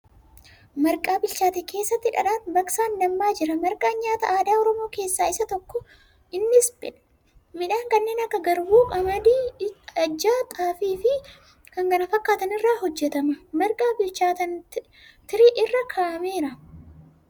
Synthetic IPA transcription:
mɐɾkʼaːbɪlt͡ʃaːt̪ɛkʰe̞ːsːɐt̪ːɪᶑɐ̰ɗaːnbɐksaːndɐmːaːd͡ʒɪɾɐmɐɾkʼaːɲːaːt̪ɐʔaːd̪aːɔɾɔmo̞ːke̞ːsːaːɪsɐt̪ɔkːɔ | ɪnːsbɪ̰n | mɪᶑaːŋkɐnːe̞ːnɐkːɐɡɐɾbuːkʼɐmɐd̪iːɐd͡ʒːaːt̪ʼaːfiːfɪ | kɐŋɡɐnɐfɐkːaːt̪ɐnɪrːaːɦɔd͡ʒːɛt̪ɐmɐmɐɾkʼaːbɪlt͡ʃaːt̪ɐn | t̪ɪɾiʔɪrːɐkʰaːʔɐme̞ːɾɐ

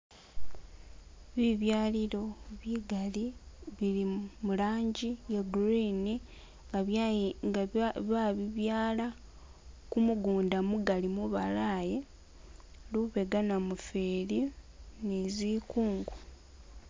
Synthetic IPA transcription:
βiβjaːliɾo̞βiɡaliβiɾimulaːɲɟijeɡɾini | ŋɡa | βaβiβjaːla | kumuɡuːndamuɡalimuβalaːje | luβe̞ɡanamufeːɾi | neziːkuːŋɡu

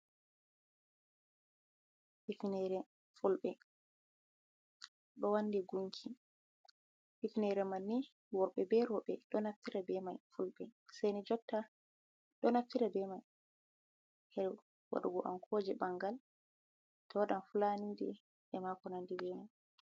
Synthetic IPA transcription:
ʔifinɛɾɛ | fulɓɛ | ɗɔwanːdiɡuŋkʰi | hifinɛɾɛmanːi | wɔɓɛbɛɾɔɓɛ̰ɗɔnaftiɾabɛmajfulɓɛsajnid͡ʒɔtːa | ɗɔnaftiɾabɛmaj | hɛ | wa̰ɗuɡɔʔa̰mkʰɔd͡ʒɛbaŋɡal | tɔwaɗanfulaniːdɛ | ʔɛmakɔnandibɛmaj

